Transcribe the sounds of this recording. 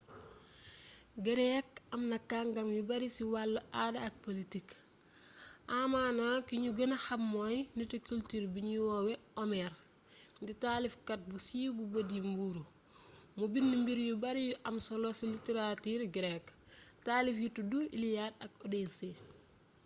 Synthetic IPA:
ɡəɾɛk̚ɐmnɐkːaŋɡɐmjubɐɾisiwalːɐadɐk̚politik | ʔamaːnakiɲuɡɐnɐhɐmːojnitukultiːɾbiɲuwɔːwɛɔmɛɾ | nditaːlifkɐt̚busiːbubɐdimbuɾu | mubinːimbiɾjubɐɾijuʔɐmsolosiliteɾatiːɾɡɾɛk | taːlifjutuduḭlijadɐkodese

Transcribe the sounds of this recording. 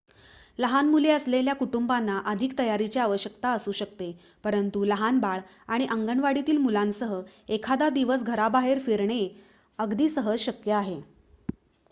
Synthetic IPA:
ləɦanmuleəsleljakuʈumbanːaʔəd̪ʱik̚t̪əjaɾit͡ɕaaʋəɕjəkt̪aəsuːɕək̚t̪e | pəɾənt̪uləɦanbaɭ | aɽ̃iʔəŋɡəɳʋaɽit̪iːlmulãnsəɦəekʰad̪ad̪iʋəs̬ɡʱəɾabaɦeɾfiɾɳe | əɡd̪iːsəɦəd͡zɕəkjəaɦe

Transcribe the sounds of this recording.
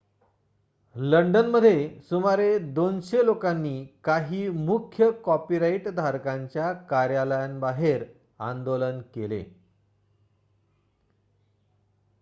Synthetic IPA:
ləɳɖənməd̪ʱjesumaɾed̪onɕelokanːiːkaɦiːmukʰjəkɔpiɾaiʈd̪ʱaɾkaɲt͡ɕjakaɾjaləjanbaɦeɾ | a̰nd̪olənkelḛ

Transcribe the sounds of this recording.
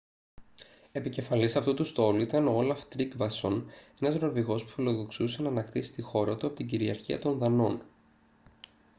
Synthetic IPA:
e̞pice̞fɐlisɐft̪ut̪ust̪o̞luit̪ɐnoolɐft̪ɾiɡvɐso̞ne̞nɐzɾo̞viɣo̞spu̥filo̞ðo̞ksuse̞nɐːnɐkt̪isi̥t̪ixo̞ɾɐt̪uɐpot̪iɟiɾiɐɾçiɐ̰t̪o̞nðɐno̞n

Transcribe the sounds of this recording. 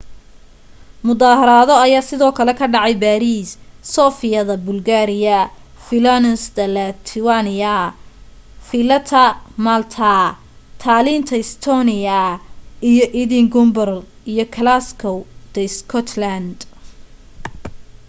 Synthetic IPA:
mʊðaːɦɐɾaːðɔɐjaːsɪðɔːkʰɐlɛkʰɐɖɑʕɑjbaːɾiːssɔːfɪjɐðɐbʊlɡaːɾɪjɐ | fɪlanɛsd̪ɐlɐt̪ʰɪwanɪjɐ | fɪlɐt̪ʰɐmalt̪ʰa | t̪ʰaːliːnt̪ʰɐɪst̪ʰɔːnɪjɐʔijɔʔiðɪŋɡʊmbɐr | ijɔkʰɐlaskʰɔwd̪̥ɐskʰɔt̪ʰlɐnd̪

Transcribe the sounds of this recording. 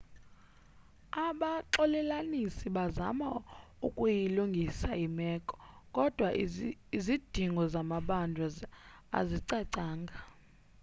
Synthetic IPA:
aɓaǁɔlɛlanisiɓaza̰maukʼujiluŋɡʱisaimɛkʼɔ̥kʼɔd̥ʱwaizid̥ʱiŋɡʱɔzamaɓandʱaza̰ziǀɛǀaːŋɡʱa

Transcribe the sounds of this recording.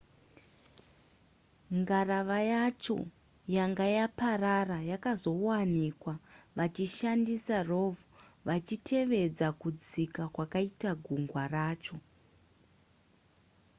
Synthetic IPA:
ŋɡaraʋajat͡ʃo̰ | jaŋɡajapararajakazo̞wanikwaʋat͡ʃiʃandisaro̞vuʋat͡ʃitʰe̞ʋe̞d͡zakud͡zikakwakaitaɡʱuŋɡwaraːt͡ʃo̞

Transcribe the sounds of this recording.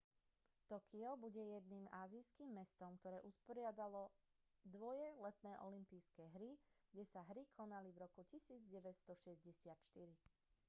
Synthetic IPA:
t̪ɔkʰiɔbuɟɛjɛd̪niːmaːziːskiːmːɛst̪ɔmkt̪ɔɾɛːʔuspɔɾɪad̪alɔ | d̪ʋɔjɛlɛt̪nɛːʔɔlimpijskɛːɦɾiɡ̥ɟɛsaɦɾikʰɔnalivɾɔkucisiːd͡zɟɛʋɛt̪st̪ɔʃɛzɟɛsɪat̪ʃt̪iɾi

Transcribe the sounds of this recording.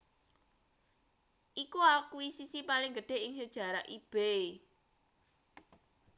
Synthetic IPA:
ʔikuakuisisipalɪŋɡəɖ̥e̤ɪŋsəd̥ʒ̥ä̤ɾaʔib̥e

